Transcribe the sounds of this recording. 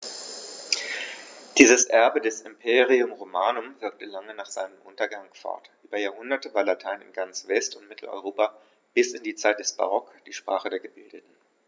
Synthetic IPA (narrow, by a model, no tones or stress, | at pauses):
d̥iːzəsʔɛɐbədɛsɪmpʰeːʁiʊmʁomaːnʊmvɪɐk̚təlaŋənaːχz̥aɪnəmʔʊntɐɡaŋfɔ̰ɐtʔyːbɐjaːɐhʊndɐtəvaːɐlatʰaɪnɪ̰nɡant͡sv̥ɛstʊntmɪtʰl̩ɔ̰ʏʁoːpa | b̥ɪsɪndiːt͡saɪt̚d̥ɛsb̥a̰ʁɔkd̥iːʃpʁ̥aːχədeːɐɡəbɪldətn̩